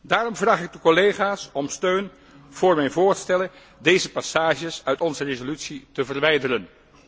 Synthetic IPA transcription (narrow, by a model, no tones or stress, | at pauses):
daːrɔmvraːχɪɡ̚dəkɔlejχaːsɔmstøɥn | v̥ʊːɹmɛjnvʊːɹstɛlə | dejzəpasaːʒəsœɥtɔnzərezolytsitəvərʋɛjdərən